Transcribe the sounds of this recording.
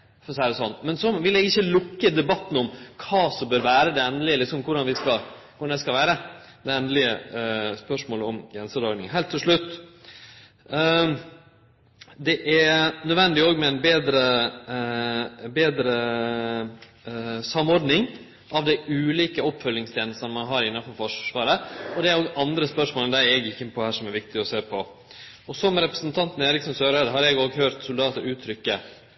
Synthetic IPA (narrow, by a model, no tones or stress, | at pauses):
fɔsæːɾəsɔnːmɛnsɔʋɪlɛɡɪçːəlʊkːəd̪ɛbɑt̪ːn̩ɔmkʰɑːsɔmbøːɾʋæːɾəd̪ɛɛnd̪lɪəlɪksɔmkʰʊɖɑnʋɪskɑkʰʊɖɑnd̪æɪskɑʋæːɾə | d̪ɛɛnd̪əlɪə̰spœʂmoːləɔmɡɾɛnsəɾɔɾɡ̪nɪ̰ŋɦɛːlt̪ʰːɪlʂɭʉt̪ː | d̪ɛʔæɾnœd̪ʋɛnd̪ɪoːɡmɛæɪnbeːd̪ɾə | beːd̪ɾə | sɑmɔɾd̪nɪŋ | ʔɑʋd̪ɛɪʉːliːkəɔpːfœlːɪŋst̪ʰjeːnəst̪ənmɑnɦɑːɾɪnːɑfɔɾfɔʂʂʋɑːɾəɔd̪ɛæɾoːɡɑnd̪ɾəspœʂmoːləd̪ɛɾɛɡɪkːɪnəpʰɔhæːʂɔmæɾʋɪk̚t̪ɪɔseːpʰɔ | ɔsɔmɾɛpɾəsnt̪ʰɑnt̪neːɾɪksɔnsøːɾɛd̪ɦɑːɾɛɡoːɡhøːɾt̪sʊld̪ɑːt̪əɾʉːt̪ʰɾʏkːə